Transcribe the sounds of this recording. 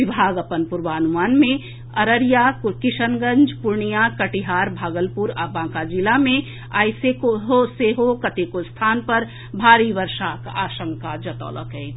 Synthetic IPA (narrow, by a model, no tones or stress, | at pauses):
ɪbʱaːɡɐpənpʊɾʋaːnumaːnmẽ | ɐɾəɾjaːkɪʃənɡə̃ɲd͡ʒpʊɾɳijakɐʈiɦaːɾbʱaːɡəlpuɾapãːkad͡ʒilamẽ | a̰ːjsekoɦoseːɦokɐt̪eːkost̪ʰaːnpɐɾ | bʱaːɾiːʋəɾʃaːkaːʃə̃ŋkad͡ʒɐt̪ɔ̰ːlə̰kɦɛː